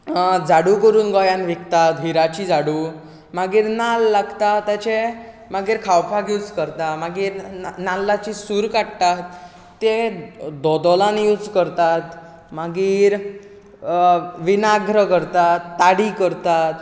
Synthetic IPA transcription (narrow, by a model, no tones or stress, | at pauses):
d͡zaɽukəɾuːnɡɔjãnʋikt̪at̪ɦiɾat͡ɕiːd͡zaɽu | maɡiːɾnalːaɡt̪at̪at͡ɕe | maɡiːɾkʰawpʰaɡjut͡skəɾt̪amaɡiːɾnalːat͡ɕiːsuɾkaɽʈ̪at̪ː | ed̪ɔd̪ɔlãnjud͡zkəɾt̪at̪ | maɡiːɾ | ʋinaɡɾəkəɾt̪at̪ːaɽikəɾt̪at̪